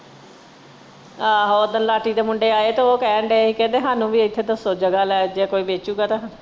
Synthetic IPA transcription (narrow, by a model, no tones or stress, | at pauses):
aːɦoːd̪ənlaːʈiːd̪eːmʊɳɖeːaːeːt̪oːoːkɛːɳɖeːiːkɛ̃ːnd̪eːɦaːnũːʋiːɪt̪ʰːeːd̪əsoːd͡ʒəɡaːlɛːd͡ʒeːkoːiːbeːt͡ʃuːɡaːt̪ãː